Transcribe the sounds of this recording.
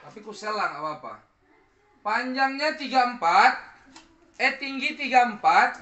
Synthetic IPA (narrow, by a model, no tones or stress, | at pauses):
t̪apikuselaŋapaːpa̰ | paɲd͡ʒaŋɲat̪iɡaəmpat̪̚ | ɛt̪iŋɡit̪iɡaəmpat̪̚